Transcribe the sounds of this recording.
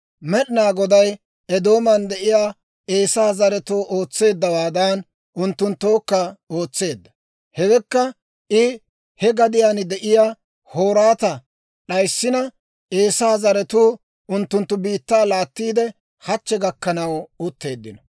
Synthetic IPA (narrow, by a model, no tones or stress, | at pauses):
mɛɗɪnaːɡɔd̪ɐj | ɛd̪o̞ːmɐnd̪ɛʔɪjaː | e̞ːsaːzɐɾɛt̪oːʔo̞ːt͡sːe̞ːd̪ːɐwaːd̪aːn | ʔʊnt̪ːʊnt̪ːoːkːɐo̞ːt͡sːe̞ːd̪ːɐ̥ | hɛɡɛkːɐ | ʔɪ | hɛɡɐd̪ɪjaːnd̪ɛʔɪjaː | ho̞ːɾaːt̪ɐ | ɗɐjsːɪnɐ | ʔe̞ːsaːzɐɾɛt̪uː | ʊnt̪ːʊnt̪ːʊbiːt̪ːaːlaːt̪ːiːd̪ɛ | hɐt͡ʃːɛɡɐkːɐnɐwʊt̪ːe̞ːd̪ːɪnɔ